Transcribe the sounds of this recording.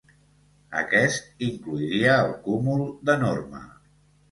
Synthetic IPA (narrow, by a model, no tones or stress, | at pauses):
ə̰kɛst̪iŋkluiɾiəːlˠkumulˠd̪ənormə̰